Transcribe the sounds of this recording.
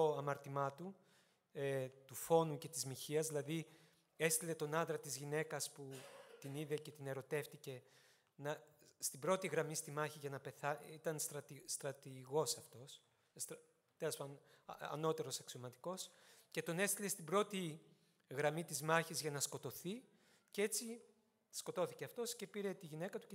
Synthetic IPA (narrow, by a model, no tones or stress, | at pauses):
oɐmɐɾt̪imɐt̪u | et̪ufo̞nuce̞t̪izmiçiɐzðilɐði | e̞st̪ile̞t̪o̞nɐnðɾɐt̪izʝine̞kɐsput̪iniðe̞ce̞t̪ine̞ɾo̞t̪e̞ft̪ice̞ | nɐst̪ibɾo̞t̪iɣɾɐmist̪imɐçiʝɐnɐpe̞θɐit̪ɐnst̪ɾɐt̪ist̪ɾɐt̪iɣo̞sɐft̪o̞s | s | t̪elɐspɐn | ɐ̰no̞t̪e̞ɾo̞sɐksio̞mɐt̪i̥ko̞sce̞t̪o̞ne̞st̪ile̞st̪ibɾo̞t̪i | ɣɾɐmit̪izmɐçizʝɐnɐsko̞t̪o̞θi | cee̞t͡si | sko̞t̪o̞θice̞ɐft̪o̞sce̞piɾe̞t̪iʝine̞kɐt̪u